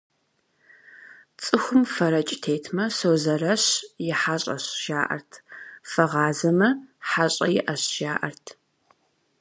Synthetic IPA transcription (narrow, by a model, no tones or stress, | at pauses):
t͡sʼɨxʷʊmfɐɾɐt͡ʃʼɪtʰeːtʰmɐsoːzɐrɐɕjɪħaɕʼɐ̰ɕʒ̥aːʔɐ̰rtʰfɐʁɑːzɐmɐħaɕʼɐjɪʔɐɕʒ̥aːʔɐrtʰ